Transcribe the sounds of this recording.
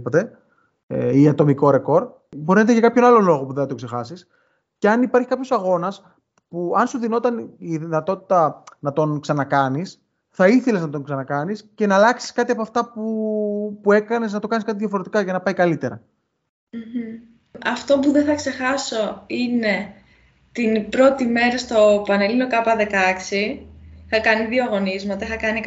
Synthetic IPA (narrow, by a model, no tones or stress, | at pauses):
pot̪e̞ | ḛiɐt̪o̞miko̞ɾe̞ko̞ɾ | boɾinet̪eʝɐkɐpço̞nɐlo̞lo̞ɣopuðenɐt̪okse̞xɐsis | ce̞ɐnipɐɾçi̥kɐpço̞sɐɣo̞nɐs | puɐnsuðino̞t̪ɐniðinɐt̪o̞t̪i̥t̪ɐnɐt̪o̞nksɐnɐkɐnis | θɐiθe̞le̞znɐt̪o̞ŋksɐnɐkɐnisce̞nɐːlɐksi̥skɐt̪iɐpoɐft̪ɐpupue̞kɐne̞snɐt̪o̞kɐniskɐt̪iðʝɐfo̞ɾe̞t̪ikɐʝɐnɐpɐjkɐlit̪e̞ɾɐ̰ | m̩m̩ | ɐft̪o̞puðeθɐkse̞xɐso̞ine̞ | t̪inpɾo̞t̪ime̞ɾɐst̪o̞pɐne̞lino̞kɐpɐðe̞kɐksiixɐkɐniðioɐɣo̞nizmɐt̪ɐixɐkɐni